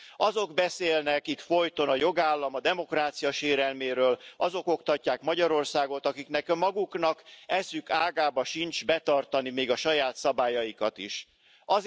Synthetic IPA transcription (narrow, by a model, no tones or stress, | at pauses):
ɒzo̞ɡbɛseːlnɛkit̪fo̞jt̪o̞nɒjo̞ɡaːlːɒmɒd̪ɛmo̞kraːt̪sijɒʃeːɾɛlmeːɾøːlɒzo̞ko̞kt̪ɒcːaːkmɒɟɒɾo̞rsaːɡot̪ɒkiknɛkmːɒɡuknɒkɛsykaːɡaːbɒʃint͡ʃbɛt̪ɒrt̪ɒnimeːɡɒʃɒjaːt̪sɒbaːjɒjikɒt̪iʃ | ɒ